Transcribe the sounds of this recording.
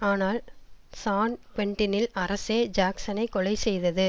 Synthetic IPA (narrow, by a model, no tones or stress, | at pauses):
aːnaːlsaːnkʋɛɳʈɪnɪlɐɾɐseːd͡ʒaːksɐnɐɪkːɔɭɐɪsɛjðɐðɯ